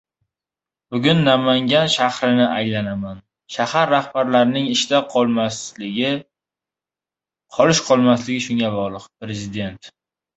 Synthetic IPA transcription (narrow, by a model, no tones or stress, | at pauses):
bʊɡʲʊnːamaŋɡʲanʃaχɾɪnɪʔajlanaman | ʃahaɾːahbaɾlaɾɪnɪŋɪʃt̪aqʰmslɪɪ | qʰɒlɪʃqʰɒlˠmaslɪɡʲɪʃʊŋʲabɒʁlˠɨqpɾe̞zɪd̪e̞nt̪